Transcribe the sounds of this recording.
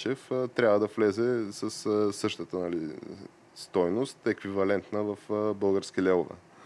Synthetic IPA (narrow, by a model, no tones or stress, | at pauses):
ɛft̪ɾʲjabvəd̪ɐflɛzɛsəssɤʃt̪ət̪ənɐlḭ | st̪ɔjnost̪ɛkvivɐlɛnt̪nəvəfbɤlˠɡəɾskilɛlˠovɛ̰